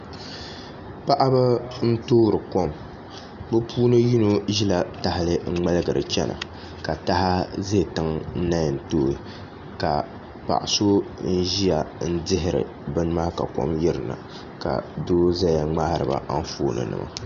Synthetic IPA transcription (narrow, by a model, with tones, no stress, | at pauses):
pa˦ʔa˦ba˦n̩˦toː˦˨ɾɨ˨ko˦m | bɨ˦pʰuː˦nɨ˦ji˦no˦ʒi˦la˨ta˦hɪ˨lɨ˦ŋ̩˦ŋ͡mɛ˦lɨ˦ɡɨ˨ɾɨ̰˨t͡ʃɛ˦nʔa̰˨ | ka˨ta˦ha˦ze˦˨tɨ˦ŋn̩˦na˦jn̩˨toː˦˨i˨ | ka˨ | pa̰˨ʔa˨so˦n̩˦ʒi˦ja˨n̩˦dɪ˦ɦɪ˨ɾɨ̰˨ | bɨ˦n˦ma˦ka˨ko̰˦mjɛ˦ɾɨ˨na̰˨ | ka̰˨doː˦za˦ja˨ŋ͡ma˦ha˦˨ɾɨ̰˨ba̰˨ʔa˦n˦foː˦˨nɨ̰˨nɨ̰˨ma̰˨